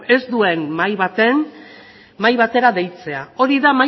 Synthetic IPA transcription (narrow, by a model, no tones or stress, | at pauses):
e̞zd̪ue̞nmajβat̪en | majβat̪e̞ɾaðe̞jt͡se̞ao̞ɾiðama